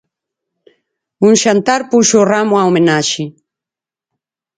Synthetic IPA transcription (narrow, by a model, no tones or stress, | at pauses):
uŋʃant̪aɾpuʃoramoaomẽnaʃi